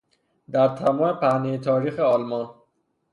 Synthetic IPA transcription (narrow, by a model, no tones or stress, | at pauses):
d̪æɾt̪ʰæmɒːmepʰæhnejet̪ʰɒːɾiːxeɒːlmɒn